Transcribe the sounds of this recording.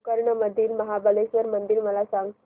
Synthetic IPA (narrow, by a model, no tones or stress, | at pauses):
kəɾɳəməd̪ʱiːlməɦabəlesʋəɾmənd̪iːlməlasãŋɡ